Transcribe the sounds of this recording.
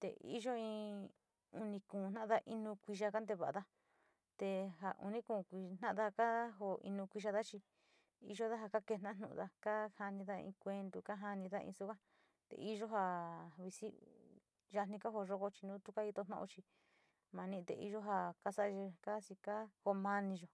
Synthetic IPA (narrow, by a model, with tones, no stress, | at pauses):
t̪ḛ˨ʔḭ˦ʒo˦ĩ˧ | u˧nĩ˧kũ˨nã˦ʔða˧ʔi˧nũ˧kʷi˧ʒa˧ka˦nd̪e˧βa˨a˨˧ða˦ | t̪e˧ɦa˧ʔṵ˧nĩ˦kũː˧˨kʷi˧n̥ã˦ʔða˧ka˦ɦo˧ḭ˧nũ˧kʷi˧ʒa˧ða˦t͡ʃi˧ | ḭ˧ʒo˦ða˦ɦa˧ka˦ke˧˨nã˦a˦˨nṵ̃˧˨˧ða˧ka˦ha˧nĩ˧ða˦ḭ̃˧kʷe˧nd̪u˧ka˦ɦa˧nĩ˧ða˦ʔḭ̃˧su˦ka˦ | t̪ḛ˨i˦ʒo˦ɦa˧βi˧si˦ | ʒa˧nĩ˧ka˦ɦo˧ʒo˧ko˧t͡ʃi˧nũː˦t̪u˦ka˦i˧t̪o˧nã̰˦˧o˧t͡ʃi˧ | mã˨˧nĩ˦˧t̪ḛ˧i˧ʒo˦ɦa˧ka˦sa˦˧e˧ka˦si˧ka˦ho˧mã˧nĩ˧ʒo˨